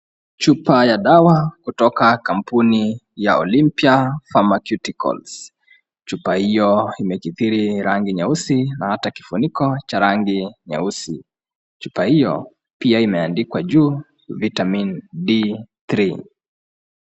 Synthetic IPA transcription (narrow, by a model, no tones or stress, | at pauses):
t͡ʃupajaɗawakutɔkakam̩puni | jaɔ̰limpiafamakjutikɔ̰ls | t͡ʃupahijɔimɛkiθiɾiɾaŋɡiɲausinahataki̥funikɔt͡ʃaɾaŋɡiɲa̰usi | t͡ʃupahijɔ̰ | piaimɛandikwaʄuː | vitamindiθɾi